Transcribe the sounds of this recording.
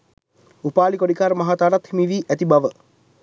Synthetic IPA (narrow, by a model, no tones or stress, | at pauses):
upaːlikoɽikaːɾəmaɦat̪aːɾat̪hemiʋiːʔæt̪ibaʋə